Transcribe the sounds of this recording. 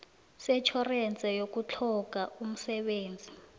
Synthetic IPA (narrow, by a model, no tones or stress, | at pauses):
sɛt͡ʃʰɔrɛnt͡sʼɛjok̬ut͡ɬʰɔk̬aum̩sɛɓeːnd͡zʱi